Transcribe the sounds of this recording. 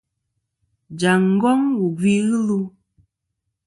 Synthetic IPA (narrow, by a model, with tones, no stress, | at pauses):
d͡ʒa˨ŋ̩˦ɡɔ˦ŋwu˨ɡwi˦ɣɨ˦lu˦